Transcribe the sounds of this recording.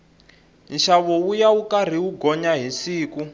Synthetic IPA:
nʃaβɔwujaukar̤iuɡɔɲaɦisiːku

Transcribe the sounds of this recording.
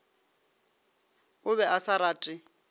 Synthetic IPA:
ʊβɛʔasaɾaːtʼɪ

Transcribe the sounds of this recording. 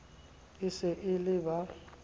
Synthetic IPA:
ɪsɪʔɪlɪba

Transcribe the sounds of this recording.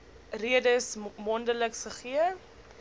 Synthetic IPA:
riədəsmɔndələkχəχiə

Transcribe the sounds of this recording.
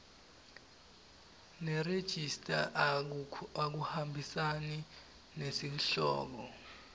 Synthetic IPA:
nɛred̥ʒ̥ʱistʼa̰ʔ | ak̬uhambʱisani | nesinɬɔ̰ːk̬ɔ

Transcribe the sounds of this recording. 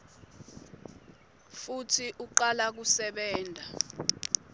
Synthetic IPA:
futʰiʔuǃalak̬usɛɓɛːndʱa

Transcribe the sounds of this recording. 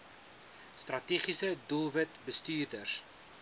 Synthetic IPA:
strɐtiːχisədulˠvətbəstyːrdərs

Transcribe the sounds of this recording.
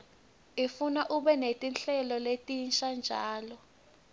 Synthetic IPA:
ifunaʔuɓɛnetʼinɬɛlɔletʼinʃand͡ʒʱaːlɔ

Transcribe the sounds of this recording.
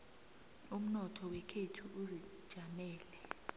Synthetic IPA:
um̩nɔtʰɔwɛkʰetʰuʔuzid̥ʒ̥ʱamɛːlɛ

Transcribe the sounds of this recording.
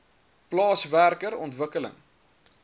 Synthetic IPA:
plɑːsværkəɾɔntvəkələ̰ŋ

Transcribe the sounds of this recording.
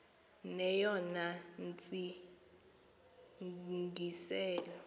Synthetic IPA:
nɛjɔnant͡sʼi | ŋɡisɛːlɔ

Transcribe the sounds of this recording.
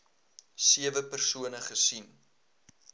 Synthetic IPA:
siəvəpərsuənəχəsin

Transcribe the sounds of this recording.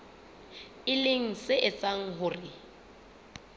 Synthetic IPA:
ɪleŋ̩sɪʔɪt͡sʼaŋ̩ɦʊrɪ

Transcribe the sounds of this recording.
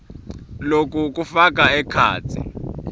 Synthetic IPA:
lok̬ʼuk̬ufak̬ʼaɛkʰa̰ːt͡sʰḭ

